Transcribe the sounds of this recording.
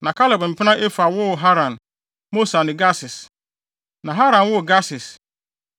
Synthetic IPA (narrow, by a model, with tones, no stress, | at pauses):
nã˨kʰa˦lɛ˨b̃m̩˨pʰɪ˦nã˦ʔe˦fa˨wʊ˦˨ɦa˦ɾã˨n | mo˦sa˨nɪ̃˨ɡa˦sɪ˨s | nã˨ɦa˦ɾã˨nwʊ˦˨ɡa˦sɪ˨s